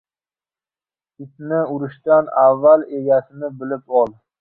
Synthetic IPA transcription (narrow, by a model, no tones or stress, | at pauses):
ɪt̪nɪʊɾɪʃt̪anavːale̞ɡʲasɪnɪbɪlɪpɒlˠ